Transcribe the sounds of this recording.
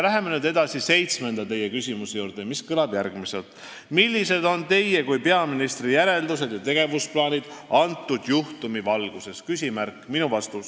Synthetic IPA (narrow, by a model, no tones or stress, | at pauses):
læɦe̞mːe̞nyːd̪ed̪ɑsise̞jt̪sme̞nd̪̥ɑt̪e̞je̞kysʲimusejuːɾd̪̥e̞miskɤlɑb̥jæɾɡ̥mise̞lt̪ˑ | milʲːise̞d̪o̞nt̪e̞jːe̞kujpe̞ɑminist̪ɾijæɾe̞ld̪use̞d̪jɑt̪e̞ɡ̥e̞vusplɑːnʲid̪̥ɑnt̪ːˑud̪̥juht̪umivɑlɡ̥use̞skysʲimærkːˑminuvɑst̪us